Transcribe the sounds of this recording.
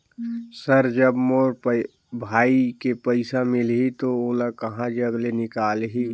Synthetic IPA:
səɾd͡ʒəbmoːɾ | bʱaːikepəɪsamɪlɦit̪ooːlakɐɦãd͡ʒəɡlenɪkaːlɦi

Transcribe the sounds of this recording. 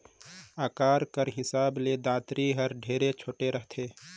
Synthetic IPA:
aːkaːɾkəɾɦɪsaːbled̪aːt̪ɾiɦəɾɖʱeːɾet͡ʃʰoːʈeɾəɦt̪ʰeː

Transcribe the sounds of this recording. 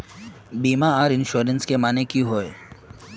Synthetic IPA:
biːmaaːɾɪnʃoːɾənskemaːnekiɦoːe

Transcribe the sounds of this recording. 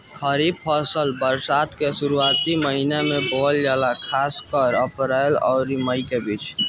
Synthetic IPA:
kʰəɾib̚pʰəsəlbəɾsat̪kesuɾuat̪iməɦinamebold͡ʒalakʰaskəɾəpɾəlɔ̰ʊɾiməjkebit͡ʃʰ

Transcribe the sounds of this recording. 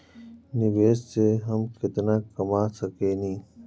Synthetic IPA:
nɪweːsseɦɐmkɪt̪naːkɐmaːsɐkeːnĩː

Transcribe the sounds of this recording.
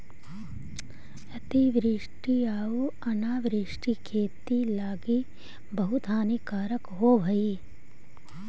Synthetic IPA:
ɐt̪iʋɾiʂʈiaːuɐnaːʋɾiʂʈikʰeːt̪ilaːɡi | bɐɦut̪aːnikaːɾəkɦoːbʱɐi

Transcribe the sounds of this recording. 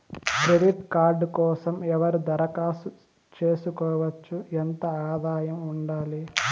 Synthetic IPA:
kɾe̞ɖiʈkaːɾɖkɔːsɐmɛʋɐɾud̪ɐɾɐkaːsu | t͡ʃe̞ːsukɔːʋɐt͡ʃːuɛnt̪ɐaːd̪aːjɐmuɳɖaːli

